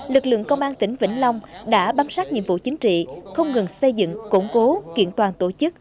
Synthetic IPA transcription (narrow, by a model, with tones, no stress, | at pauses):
lɨ˨˩k̚lɨ̰˧˨əŋkə˧wŋ͡mʔaː˧nt̪ï˨˦ŋ̟vḭ˧˩ŋ̟la˧wŋ͡mɗa̰ː˧˥ɓaː˧msaː˦˥t̚ɲḭ˧˨əmvṵ˧˨t͡ɕï˨˦ŋ̟t͡ɕḭ˧˨xə˧wŋ͡mŋɨ˨˩ŋsə˧jzɨ̰˧˨ŋkʊ˧˩ŋ͡mko˨˦kḭ˧˨ənt̪waː˨˩nt̪o˧˩t͡ɕɨ˦˥k̚